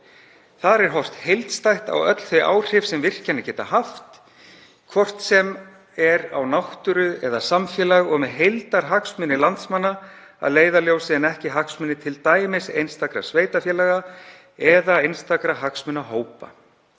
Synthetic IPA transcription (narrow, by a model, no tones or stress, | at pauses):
θaðɾɛɾ̥ɦɔr̥t̪hejlt̪st̪ajht̪a̰wœ̰t̪l̥θœjʔa̰ːwr̥ɪfsɛmvɪr̥canːacɛːt̪ahaft̪ | kʰvɔr̥t̪sɛm | ɛɾa̰wnawht̪ʏɾʏɛðasamfjɛːlaɣɔɣmɛðɦejlt̪aɾɦaksmʏnːɪlant̪smanːa | a̰ðleːjðaljoːwsɪɛnɛhcɪɦaksmʏnːɪt̪ʰɪlt̪aːjmɪsḛjnst̪akɾa̰sveːjt̪afjɛːlaɣa | ɛðaejnst̪akɾaɦaksmʏnaɦoːwpa̰